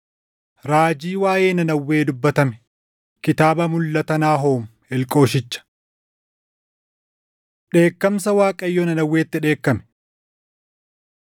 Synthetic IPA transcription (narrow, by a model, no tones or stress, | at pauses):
ɾaːd͡ʒiːwaːje̞ːnɐnɐwːe̞ːd̪ʊbːɐt̪ɐmɛ̥ | kɪt̪aːbɐmʊlːɐt̪ɐnaːɦoːm | ɪlkʼo̞ːʃɪt͡ʃːɐ̥ | ᶑe̞ːkːɐmsɐwaːkʼɐjːonɐnɐwːe̞ːt̪ːɪᶑe̞ːkːɐmɛ̥